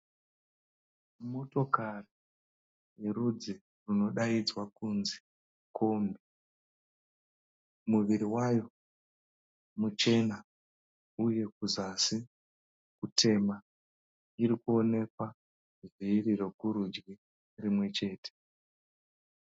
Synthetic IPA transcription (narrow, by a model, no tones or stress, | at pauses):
mo̞to̞kari | jerud͡zi | runo̞ɗaid͡zwakunzi̥ | kʰo̞ːmbe | muʋiɾiwajo̞ | mut͡ʃe̞na | uje̞kuzasi | kutʰe̞ma | iɾikuo̞ne̞kwa | viriro̞kuɾud͡ʒɡi | rimwe̞t͡ʃe̞ːte̥